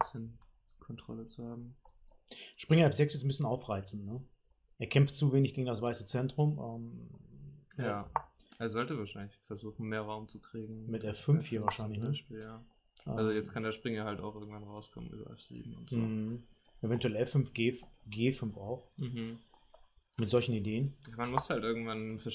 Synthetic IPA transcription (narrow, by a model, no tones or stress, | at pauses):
bɪsçən | kʰɔntʁ̥ɔ̰lət͡suhaːbm̩ | ʃpʁ̥ɪŋɐɛfz̥ɛksɪstn̩bɪsçənaʊfʁaɪt͡sn̩tnə | ʔeːɐkʰɛmftt͡suveːnɪçɡ̥eːɡŋ̩das̬v̥aɪsət͡sɛntʁ̥ʊmʔɛːm | jaː | ʔeːɐzɔltəvaːʃaɪnlɪçfɛɐzuːxn̩meːɐʁaʊmt͡sukʁ̥iːɡŋŋ̩mɪtʔɛfʏmfhiːɐvaːɐʃaɪnlɪçnəijaː | ʔalzojɛt͡stkʰandeːɐʃpʁ̥ɪŋɐhalta̰ʊxʔɪɐɡŋ̩tv̥anʁaʊskʰɔ̰mə̰ny̰ːbɐ̰ʔɛ̰fz̥ḭːbm̩ʊntzoːh̩ | ʔevɛntuɛlɛfʏmfɡ̥eːfɡeːfʏnfaʊxχm̩hm̩ | mɪtz̥ɔlçn̩ideːənjaːmanmʊshaltʔɪɐɡŋ̩tv̥anfɛɐ